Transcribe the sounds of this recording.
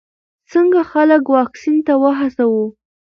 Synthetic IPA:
t͡səŋɡaxaləkwɑksint̪awəɦasawu

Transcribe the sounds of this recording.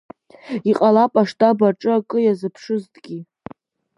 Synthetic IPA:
iqʼalapʼaʂtʼabaʈ͡ʂʼɨakʼɨjazɨpʰʂɨztʼɡʲi

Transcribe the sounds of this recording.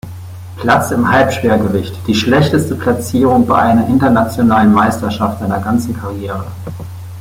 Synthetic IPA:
pʰl̥at͡sɪmhalpʃv̥eːɐɡəvɪçtd̥iːʃlɛçtəstəpʰl̥at͡siːʁʊŋbaɪʔaɪnɐʔɪntɐnat͡sjonaːlənmaɪstɐʃaftz̥aɪnɐɡant͡sn̩kʰaʁjeːʁ̞ə

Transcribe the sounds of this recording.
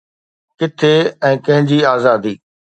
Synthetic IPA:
kɪt̪ʰeɛ̃ːkɐ̃ɦɪ̃ɲd͡ʑiːaːzaːd̪iː

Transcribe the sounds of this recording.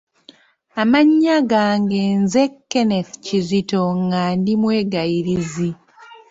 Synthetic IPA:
amaɲːaɡaːŋɡe̞nze̞kːe̞ne̞θcizito̞ŋɡaːndimwe̞ːɡajiɾizi

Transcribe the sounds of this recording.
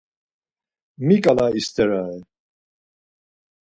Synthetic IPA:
mikʼalaist̪ʰɛɾaɛ

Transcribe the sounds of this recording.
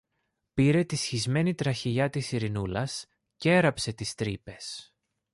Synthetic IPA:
piɾe̞t̪isçizme̞nit̪ɾɐçiʎɐt̪isiɾinulɐs | ce̞ɾɐpse̞t̪ist̪ɾipe̞s

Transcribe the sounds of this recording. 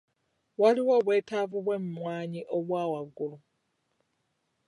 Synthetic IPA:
waliwo̞ːβwe̞ːtavuβwe̞mumwaːɲiʔo̞βwaːwaɡulu

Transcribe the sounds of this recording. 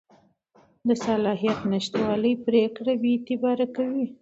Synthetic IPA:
d̪əsalɑɦijat̪nɪʃt̪wɑləjpɾekɽabeːt̪ɪbɑɾakawi

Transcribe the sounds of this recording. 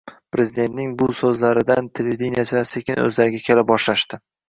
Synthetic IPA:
pɾe̞zɪd̪et̪nɪŋbʊsɵzlaɾɪd̪ant̪ʰelʲeid̪inijasɪasekʲɪnɵ̰zlaɾɪɡʲakʲʰe̞lɪp̚bɒʃlaʃt̪ɪ

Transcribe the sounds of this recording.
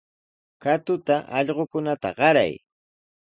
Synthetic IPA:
kat̪ʊt̪aʔɑʎɢokʊnat̪a̰ɢɑɾa̰j

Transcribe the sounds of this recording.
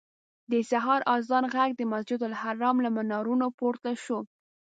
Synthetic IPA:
d̪əsaɦɑɾɑzɑnɣaɡd̪əmasd͡ʒɪd̪ʊlhaɾɑmlamanɑɾunopoɾt̪aʃo

